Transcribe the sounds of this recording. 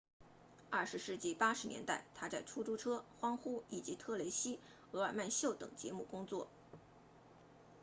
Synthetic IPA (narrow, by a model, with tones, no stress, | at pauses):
ɐ˥˩ʂɻ̩˧˥ʂɻ̩˥˧t͡ɕi˥˩pa˥ʂɻ̩˧˥njɛ̰˧˥nt̪a˥˩ɪt̪ʰa˥t͡sa˥˩ɪʈ͡ʂʰu˥ʈ͡ʂu˥ʈ͡ʂʰɤ˥xwɑ˥ŋxu˥i˨˩t͡ɕi˧˥t̪ʰɤ˥˩le˧˥ɪɕi˥ | ɤ˧˥a˨˩ma˥˧nɕjo˥˩ʊt̪ɤ̰˨˩ŋt͡ɕjɛ̰˧˥mu˥˩kʊ˥ŋt͡swɔ̰˥˩